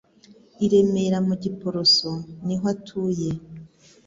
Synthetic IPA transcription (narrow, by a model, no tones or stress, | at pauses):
iɾe̞me̞ɾamuɟipo̞ɾosoniɦatʰuːje̞